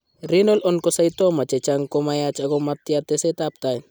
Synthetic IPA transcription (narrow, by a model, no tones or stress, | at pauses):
ɾinɔlɔnkosɐjt̪omɐt͡ʃet͡ʃaŋkomajat͡ʃɐɡomɐt̪ːjat̪esɐt̪apt̪aj